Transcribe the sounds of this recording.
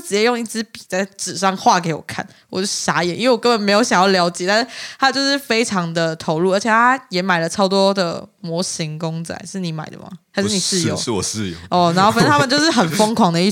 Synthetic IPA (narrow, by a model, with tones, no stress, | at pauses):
ʈ͡ʂɻ̩˨˩t͡ɕjɛ˥˩jo˥˧ŋi˥˩t͡sɹ̩˥pi˨˩t͡sa˥˩ɪʈ͡ʂɻ̩˨˩ʂɑ˥˧ŋxwa˥˩k̬e˧˥ɪwɔ̰˨˩kʰa̰˥˩˨n | wɔ˨˩t͡ɕo˥˧ʊʂ̩˥˩ɕa˧˥jɛ˨˦ni˥ŋwe˥˩wɔ˨˩kə˦˥nbə˨nme˧˥ɪjo˧˥ʊɕɑ˨˩ŋjɑ˥˩ljɑ˧˥ʊt͡ɕjɛ˨˩t̪a˥˧ʂ̩˥˩t̪ʰa˦˥t͡ɕjo˥˧ʊʂɻ̩˥˩fe˥ɪʈ͡ʂʰɑ˧˥ŋd̪ə˨t̪ʰo˧˥ʊlu˥˩ə˧˥t͡ɕʰjt̪ʰa˥jɛ˨˧˥ma˨˩ɪlə˦ʈ͡ʂʰɑ˥ʊt̪̬wɔ˥d̪ə̰˨mwɔ˧˥ɕi˧˦˥ŋkʊ˥ŋt͡sa̰˨˩ɪʂɻ̩˥˩ni˧˥ma˨˩ɪd̪ə̰˩ma̰˨˩xa˧˥ɪʂɻ̩˥˩ni˨˩ʂɻ̩˥˧jo̰˨˦ʊ˥˨˥jɔ˥˧˩na˧˥nxo˥˩fn̩˥t̪ʰə˨t͡ɕo˥˧ʂɻ̩˥˩xə˨˩nfɤ˥ŋkʰwɑ˨˥ŋd̪ə˧i˥˩